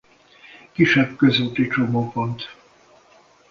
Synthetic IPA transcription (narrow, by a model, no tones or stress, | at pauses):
kiʃɛbkø̞zut̪it͡ʃomoːpont̪